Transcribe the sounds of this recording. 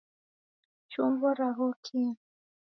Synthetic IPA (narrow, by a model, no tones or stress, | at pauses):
t͡ʃumbɔɾaɣɔkʰi